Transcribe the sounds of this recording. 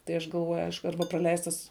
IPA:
tɐɪ ˈɐʃ ɡɐlˠˈʋoːjʊ ˈɐɪʃkʊ ˈɐrbɐ prɐˈlʲɛɪstɐs

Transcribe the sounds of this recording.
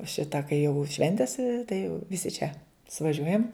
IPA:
ˈʃʲɪtɐ kɐɪ jɛʊ ˈʃʲʋʲɛnʲtʲɪs tɐɪ jɛʊ ʋʲɪˈsʲɪ t͡ʃʲɛ sʊʋɐˈʒʲuɔjɛm

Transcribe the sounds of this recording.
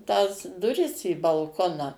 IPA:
tɑːs dʊˈrʲɪs iː bɐlˠˈkoːnɑː

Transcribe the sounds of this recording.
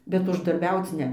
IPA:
bʲɛt ʊʒdɐrʲˈbʲɛʊt͡s ˈnʲɛ

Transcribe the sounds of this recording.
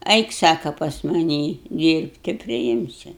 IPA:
ˈɛɪk ˈsɑːkɐ pɐs mɐˈnʲiː ˈdʲiːrpt tɐɪ pʲrʲɪˈɪmʲsʲʊ

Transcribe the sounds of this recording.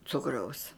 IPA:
ˈt͡sʊkrɐʊs

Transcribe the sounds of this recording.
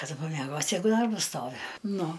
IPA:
kɐˈdʊ pɐmʲɛˈɡoːsʲɪ ˈjɛɪɡʊ ˈdɐrbɐs ˈstoːʋʲɪ ˈnʊ

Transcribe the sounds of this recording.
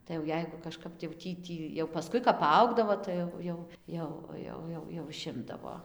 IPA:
tɐɪ jɛʊ ˈjɛɪɡʊ kɐʃˈkɐp tɐɪ jɛʊ ˈtʲiː ˈtʲiː jɛʊ pɐˈskʊɪ kɐp pɐˈɐʊɡdɐʋoː ˈtɐɪ jɛʊ jɛʊ ˈjɛʊ ʋɐ ˈjɛʊ ˈjɛʊ ɪˈʃʲɪmdɐʋoː

